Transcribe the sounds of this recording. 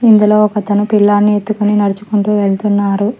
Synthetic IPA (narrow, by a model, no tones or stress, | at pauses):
ind̪ulo̞ːɔkɐt̪ɐnupilːaːnːie̞t̪ːukuninɐɾit͡ʃu̥kuɳʈuːʋe̞ɭt̪unːaːɾu